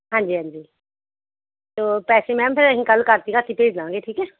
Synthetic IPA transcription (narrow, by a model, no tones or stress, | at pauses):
ɦãːɲd͡ʒiːɦãɲd͡ʒiː | t̪oːpɛːsemɛ̃ːmpʰɪɾəɦĩkəlkəɾt̪iɡat̪ipeːd͡ʒlãːŋɡeʈʰiːkɛː